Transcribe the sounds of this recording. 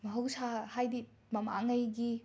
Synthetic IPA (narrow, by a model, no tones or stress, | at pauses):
mɐɦɐwsahajdi | mɐma̰ŋɐjɡi